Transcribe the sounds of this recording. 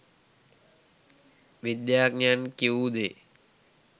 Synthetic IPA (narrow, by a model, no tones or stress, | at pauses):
ʋid̪jaːɡɲaːnkiuːd̪eː